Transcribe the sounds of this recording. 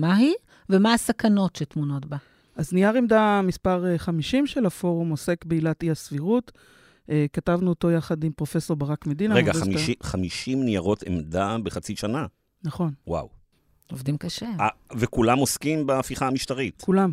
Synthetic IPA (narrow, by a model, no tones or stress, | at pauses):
mai | vemaːsakano̞tʃetmuno̞tba | ʔaznijaʁemdamispaʁeχamiʃimʃelafo̞ʁumose̞kbeilatiasviʁut | ekatavnuoto̞jaχadimpʁo̞fe̞so̞ʁbaʁakmedinaʁeɡaamiiχamiʃimnijaʁo̞tʰḛmd̪abeχat͡siʃana | naχo̞nwa̰w | ovdimkaʃeavekulamoskimbaːfiχaːmiʃtaʁitkulam